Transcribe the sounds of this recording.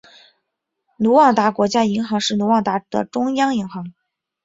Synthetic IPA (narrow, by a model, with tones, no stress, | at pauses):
nu˧˥wɑ˥˩t̪a˧˥kwɔ˧˥t͡ɕja˥i˧˥ŋxɑ˧˥ŋʂɻ̩˥˩nu˧˥wɑ˥˩ŋt̪a˧˥d̪̥ə̰˨˩ʈ͡ʂʊ˥ŋjɑ˥ŋi˧˥ŋxɑ˧˥ŋ